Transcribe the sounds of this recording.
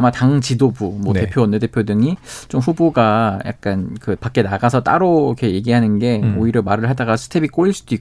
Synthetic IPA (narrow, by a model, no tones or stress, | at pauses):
mataŋt͡ɕidobumwʌne̞pʰjoʌnːɯde̞pʰjodɯŋit͡ɕomɸuboɡaja̰k̚k͈ankɯpak͈e̞naɡasʰʌt͈aɾokʰeje̞ɡiɦanɯnɡe̞oiɾjʌmaɾɯɭɦadaɡasʰɯ̥tʰe̞bik͈oiɭs͈ud̥oik